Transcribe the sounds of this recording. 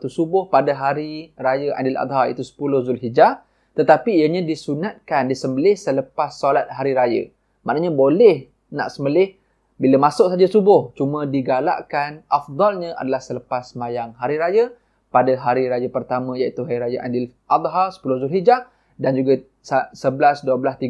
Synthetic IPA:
t̪usubʊhpadaɦaɾiɾajəʔa̰dɪla̰t̪̚ɦaḭt̪usə̥pulʊhzʊlɦid͡ʒa | t̪ət̪apiːjəɲãdisunat̪̚kandisəmbəlɪhsələpasːolat̪̚haɾiɾajə̰ | ma̰ʔnəɲabolɛh | na̰ʔsəmbəlɪh | biləmãsʊʔsad͡ʒasubʊht͡ʃumə̃diɡala̰ʔkanʔafd̪ˤɑlɲə̃ʔa̰dalahsələpasːəmajaŋɦaɾiɾajə | padaɦaɾiɾajəpərt̪amə̃jaʔit̪uɦaɾiɾajaʔa̰dɪl | ʔad̪ˤɦasə̥pulʊhzʊlɦid͡ʒa | dand͡ʒuɡa | sasəbəlasduəblast̪iɡ

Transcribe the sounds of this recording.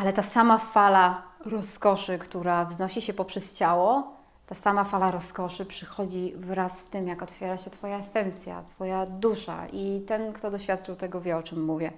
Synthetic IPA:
ʔalɛt̪asamafalaɾɔskɔʂɘkt̪uɾavznɔɕiɕɛpɔpʂɛst͡ɕawɔ | t̪asamafalaɾɔskɔʂɘpʂɘxɔd͡ʑivɾasːt̪ɘmjakɔt̪fʲjɛɾaɕɛt̪fɔjaɛsɛnt̪sʲja̰t̪fɔjad̪uʂa̰it̪ɛnkt̪ɔd̪ɔɕfʲat̪t͡ʂɨwt̪ɛɡɔvʲjɛɔt͡ʂɛmːuvʲjɛ

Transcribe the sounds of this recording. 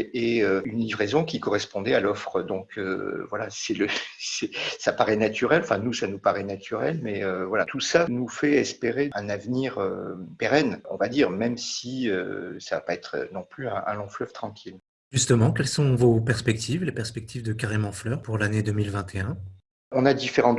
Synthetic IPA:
eøynlivʁezɔ̃kʲikɔʁɛspɔ̃d̪ɛalɔfχəd̪ɔ̃kʰø̰vwalasɛləsɛsapaʁɛnat̪yʁɛlɑ̃fɛ̃nusanupaʁɛnat̪ʰyʁɛlmɛøvwalat̪ʰusanufɛɛspeʁeɛ̃navniʁø̰peʁɛnɔ̰̃vad̪iʁmɛmsiø̰savapaɛt̪χə̰nɔ̃plyɛ̃ɛ̰̃lɔ̃flœv̥t̪χɑ̃kʲʰil | ʒyst̪əmɑ̃kʲɛlsɔ̃vopɛʁspɛk̚t̪ʰivlepɛʁspɛk̚t̪ʰivd̪əkaʁemɑ̃flœʁpuʁlaned̪əmilvɛ̃t̪ʰeɛ̃ | ɔ̃nad̪ifeʁɑ̃

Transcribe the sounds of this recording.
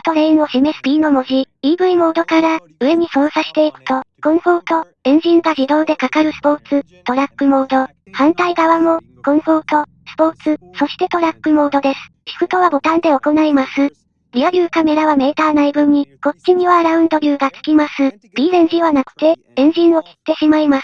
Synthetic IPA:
t̪oɾe̞inoɕimesɨ̥pʲiːno̞mo̞ʑid̪̥iːbɯ̟imo̞ːd̪o̞kaɾa | ɯ̟e̞ɲ̟isõ̞ːsaɕi̥t̪e̞ikɯ̟̥t̪o̞ɡ̥õ̞ɰ̃ho̞ːt̪o̞ | ẽ̞ɲ̟d͡ʑĩŋɡaʑid̪o̞ːd̪e̞kakaɾɯ̟sɨ̥po̞ːt͡sɨ | t̪o̞ɾakːɯ̟mo̞ːd̪o̞ | hãnt̪aiɡaβamo̞ | ɡ̥õ̞ɰ̃ho̞ːt̪o̞ | sɨ̥po̞ːt͡sɨso̞ɕi̥t̪e̞t̪o̞ɾakːɯ̟mo̞ːd̪o̞d̪e̞sɨ̥çi̥kɯ̟t̪o̞β̞abo̞t̪ãnd̪e̞o̞ko̞naimasɨ | ɾʲiaɾʲɯːkame̞ɾaβ̞ame̞ːt̪aːnaibɯ̟̃ɲ̟ːiko̞t͡ɕːiɲ̟iβaɾaɯ̟̃nd̪o̞ɾʲɯːɡat͡sɨ̥kʲimasɨ | b̥ʲiːẽ̞ɲ̟ʑiβanakɯ̟̥t̪e̞ | ẽ̞ɲ̟d͡ʑĩɰ̃o̞kʲi̥t̪ːe̞ɕimaimasɨ̥

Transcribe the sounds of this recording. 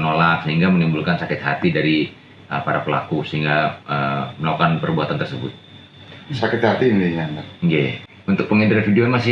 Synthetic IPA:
ənolak̚səɦiŋɡamənimbulkansakɪt̪̚ha̰t̪idaɾi | ə̰paɾapəla̰kusəɦiŋɡaəməlaukanpərbuɦat̪ant̪ərsəbʊ̰t̪̚ | sakɪt̪hat̪iniɲanaɡaj̰ | unt̪ʊk̚pəŋind̪ɾfidiomasɪ

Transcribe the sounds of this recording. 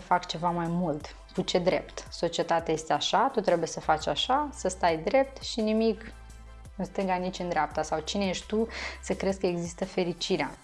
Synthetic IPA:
əfakt͡ʃe̞vamajmult̪ | kut͡ʃe̞d̪ɾe̞̰pt̪so̞t͡ʃie̞t̪at̪eaje̞st̪eaʃat̪ut̪ɾe̞buje̞səfat͡ʃʲaʃasəst̪ajd̪ɾe̞p̚t̪ʃinimik | ɨnst̪ɨŋɡanit͡ʃʲɨnd̪ɾeap̚t̪əsawt͡ʃinejeʃʲt̪usəkɾe̞skəeɡzist̪əfe̞ɾit͡ʃiɾea̰

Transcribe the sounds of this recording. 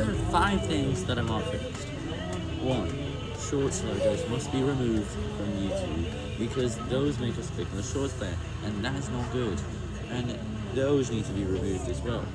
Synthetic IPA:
əfaɪv̥θɪ̃ŋzðəɾãɪ̃mɑkʰɹ̥ɪ̰ | st | wʌ̃n | ʃɔɹtslaɪdə˞zmʌstb̥iɹɨmʉvd̥fɹʌ̃mjɨtʰʉ | bɨkʰʌzðoʊzmeɪkʌskʰl̥ɪkə̃n̩əʃɔɹtsʰlɛ | ʔɨ̃nðəɾɨznət̚ɡ̥ʊd | ʔɨ̃n | ðoʊznid̚tʰɨbiɹɨmʉvdɨzwɛ̰lˠ

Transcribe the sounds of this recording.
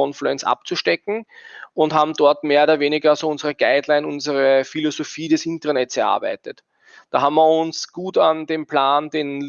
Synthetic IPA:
ɔnfluɛnt͡sʔa̰p̚t͡suʃtɛkŋ̩ʊnthaːbm̩d̥ɔɐtmeːɐoːdɐveːnɪɡɐzoːʊnzəʁəɡ̥aɪdlaɪnʊnzəʁəfilozofiːdɛsʔɪntɐɐnɛtsɛɐʔa̰ɐbæ̰ɪtət | d̥aːhaːbmɐʊnsɡ̥uːtandeːmpʰlaːndeːn

